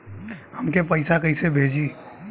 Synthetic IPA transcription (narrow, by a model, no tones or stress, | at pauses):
hɐmkepɐɪsakɐisebʱeːd͡ʒiː